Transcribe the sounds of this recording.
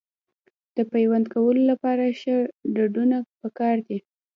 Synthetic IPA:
d̪̥əpajwand̪kawəlolapɑɾaʃəɾɖaɖunapəkɑɾd̪i

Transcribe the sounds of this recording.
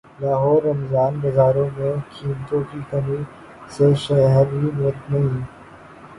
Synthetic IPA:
laːɦɔːɾːɐmzaːnbɐzaːɾõmẽkʰiːmt̪õkikɐmĩ | seʃɛɦəɾɦimət̪nɐɦĩː

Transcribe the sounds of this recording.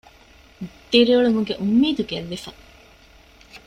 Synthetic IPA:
d̪̥iɾioɭumuŋɡeʔumːiːd̪uɡelːifɐ

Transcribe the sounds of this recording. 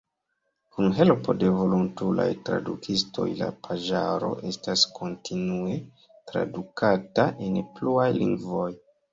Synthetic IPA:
kunɦe̞lpo̞de̞vo̞luntula̰jtɾadukʰisto̞̰jla̰pʰaʒaɾo̞̰ʔe̞staskʰo̞ntʰinue̞ | tɾa̰dukataʔenpluajlḭŋɡvo̞j

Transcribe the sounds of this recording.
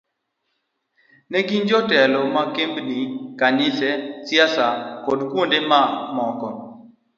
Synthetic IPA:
nɛɡind͡ʒɔtɛlɔmakembnikanɪsɛt͡sjasakodkwondemamɔkɔ

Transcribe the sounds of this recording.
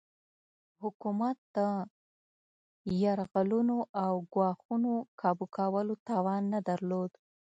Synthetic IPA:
hʊkumat̪̚d̪̥ə | jaɾɣalunoʔawɡwɑxunokʰɑbukʰawəlot̪ɑwɑnːad̪aɾlod̪

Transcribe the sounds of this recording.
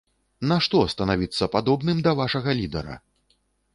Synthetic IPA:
nɐʂt̪ɔst̪ɐnavʲit̪sːɐpad̪ɔbnɨmd̪ɐvaʂɐɣɐlʲid̪ɐ̰ɾɐ̰

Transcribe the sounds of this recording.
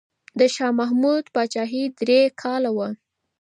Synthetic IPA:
d̪əʃɑmaɦmud̪bɑt͡ʃɑɦid̪ɾekʰɑlawa

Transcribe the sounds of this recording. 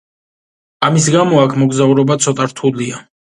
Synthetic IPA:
amis̬ɡamɔakʰmɔɡzauɾɔbat̪sʰɔt̪ʼaɾt̪ʰulia

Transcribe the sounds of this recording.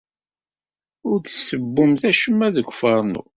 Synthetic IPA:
ʊɾθsːəbːʊmθæʃəmːæðəɡʷfɑɾˤnṵ

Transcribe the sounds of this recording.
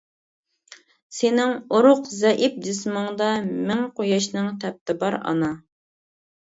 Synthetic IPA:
sɪnɪŋoɾʊqzɛʔip̚d̪ɪsmɑŋd̪ɑmɪŋqʰojɑʃnɨŋt̪ʰɛp̚t̪ɪbɑɾɑ̰nɑ

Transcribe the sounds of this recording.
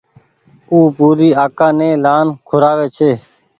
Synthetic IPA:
uːpuːɾiːaːkãːnẽːlaːnkʰʊɾaːʋeːt͡ʃʰeː

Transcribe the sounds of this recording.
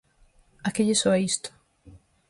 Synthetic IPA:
akeʎɪsɔaist̪ʊ̥

